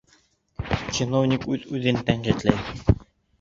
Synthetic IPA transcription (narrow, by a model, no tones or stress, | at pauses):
t͡ɕinovnʲikʉðʉðɘnt̪æɴɢit̪læj